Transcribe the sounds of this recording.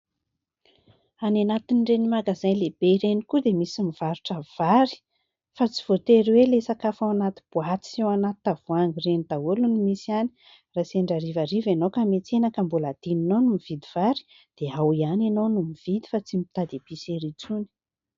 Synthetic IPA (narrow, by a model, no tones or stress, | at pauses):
ananat̪inɳɖ͡ʐenimaɡazajleb̥eiɾenikud̪emisimiv̥aɾuʈ͡ʂəv̥aɾi̥ | fat͡si̥v̥ot̪eɾiwelesakafawanat̪i̥b̥uat͡s̪i̥sewanat̪ːavuaŋɡirenid̪aulunimisiani̥ | raseɳɖ͡ʐaɾivaɾivenokamet͡s̪enakəmbulad̪̥ininonumiv̥id̪iv̥aɾi̥ | d̪̥eawianenonumiv̥id̪i̥fat͡simit̪ad̪eb̥iseɾit͡suni̥